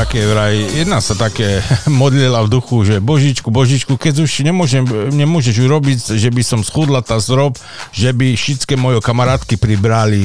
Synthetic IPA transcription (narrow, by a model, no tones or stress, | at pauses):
t̪akɛːʋɾajijɛd̪nasat̪akɛːmɔd̪lilavd̪uxuʒɛbɔʒit͡ʃkubɔʒit͡ʃkukɛd͡zuʃɲɛmʊɔʒɛmɲɛmʊɔʒɛʒuɾɔbicʒɛbisɔmsxuːd̪lat̪azɾɔp | ʒɛbiʃit͡skɛmɔjɔkamaɾaːt̪kipɾibɾali